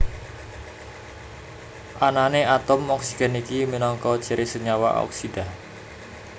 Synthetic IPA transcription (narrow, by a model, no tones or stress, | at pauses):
ʔananeʔat̪ɔmɔksiɡ̥ɛ̤nikiminɔŋkɔ̥t͡ʃəɾʔesəɲawa̰ʔɔ̰ksid̪̥a